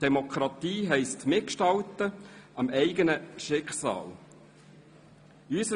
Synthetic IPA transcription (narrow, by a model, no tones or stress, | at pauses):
d̥ɛmokʰɾɑt̪iːɦɛɪstmɪkʃtɑlt̪əʔɑmɛɪɡənəʃɪkχsɑ̰ːl | ysə